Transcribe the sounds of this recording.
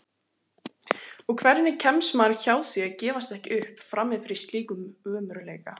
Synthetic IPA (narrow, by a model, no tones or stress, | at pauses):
ɔkʰvɛɾnɪcʰɛmsmaɾçaːwθjɛcɛːvast̪ɛhcɪʔʏhpfɾamːɪðfɪɾɪ̥st̪liːkʏmœːmʏɾʏleːjka